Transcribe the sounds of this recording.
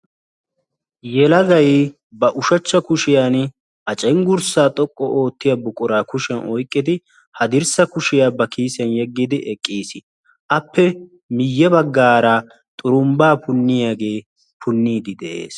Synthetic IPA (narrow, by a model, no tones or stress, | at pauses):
jɛlɐɡɐj | bɐʔʊʃɐt͡ʃːɐkʊʃɪjaːn | ʔɐt͡ʃʼɛŋɡʊɾsaːt̪ʼɔkʼːɔʔo̞ːt̪ːɪjɐbʊkʼːʊɾaːkʊʃɛnɔjkʼːɪd̪ɪ | hɐd̪ɪɾsɐkʊʃɪjaːbɐkiːsɐnjɛɡːid̪ɪʔɛkʼːiːsɪ | ʔɐpʰːɛ | mɪjːɛbɐɡːaːɾɐ | t̪ʼʊɾʊmbaːpʊnːɪjaːɡe̞ː | pʰʊnːiːd̪ɪd̪ɛʔḛːs